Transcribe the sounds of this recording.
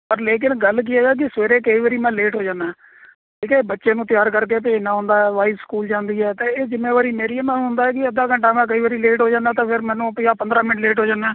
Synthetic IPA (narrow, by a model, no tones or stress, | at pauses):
pəɾleːk̬ɪnɡəlk̬ɪaːd͡ʒaːk̬ɪsʋeːɾeːkəiːʋəːɾiːmɛ̃ːleːʈɦoːd͡ʒãːnaː | ʈʰiːkɛːbətːʃeːnũːt̪ɪjaːɾkəɾk̬eːp̬eːnãːɦʊ̃ːnd̪aːɦɛːʋaːɪskuːld͡ʒãːnd̪iːɦɛːt̪ẽːeːd͡ʒɪmẽːʋaːɾiːmeːɾiəmãːɦʊ̃nd̪aːɛːk̬ɪəd̪aːkəɳʈaːmɛ̃ːk̬əiːʋəːɾiːleːʈɦoːd͡ʒãːnd̪aːt̪ãːpʰɪɾmɛ̃ːnũːpɪjaːpənd̪ɾaːmɪnəʈleːʈɦoːd͡ʒaːnaː